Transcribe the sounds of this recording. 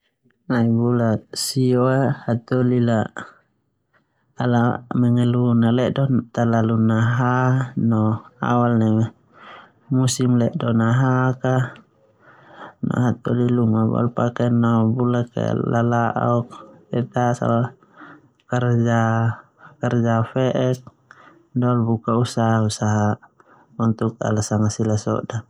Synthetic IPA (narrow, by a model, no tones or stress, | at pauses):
naibulasiɔahat̪ɔlila | alamɛŋɛlunalɛʔdɔt̪alalunaɦanɔa̰walna | musimlɛʔdɔnaɦaka | na̰ɦat̪ɔliluŋaba̰lpakɛnɔbulaka̰lalaʔɔk̚ɛt̪asa̰wa | kard͡ʒa | kard͡ʒafɛʔɛk̚ | dɔlbukausaɦausaɦa | unt̪uka̰lasaŋasilasɔ̰ʔda